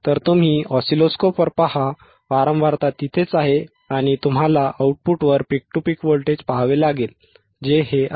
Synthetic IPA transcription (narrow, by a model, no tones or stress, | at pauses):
t̪əɾt̪um̤iːɔsiloskopʋəɾpaha | ʋaɾəmʋaɾt̪at̪it̪ʰet͡saɦe | aɽ̃it̪um̤alaʔauʈ̚puʈʋəɾpik̚ʈupikʋolʈed͡ʑpaɦʋelaɡel | d͡ʑeɦe